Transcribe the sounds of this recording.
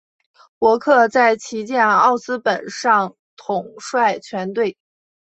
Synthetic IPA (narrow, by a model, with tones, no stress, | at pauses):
pwɔ˧˥kʰɤ˥˧t͡sa˥˩ɪt͡ɕʰi˧˥t͡ɕjɛ˥˧nɑ˥˩ʊsɹ̩˥pə˨˩nʂɑ˥˩ŋ | t̪ʰʊ˨˩ŋʂwa˥˩ɪt͡ɕʰɥɛ˧˥nt̪we˥˩ɪ